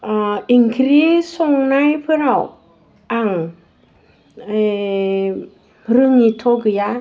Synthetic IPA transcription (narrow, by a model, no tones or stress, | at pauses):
aiŋkʰɾisɔŋnajpʰəɾaw | aŋ | e | ɾɯŋitʰoɡɯja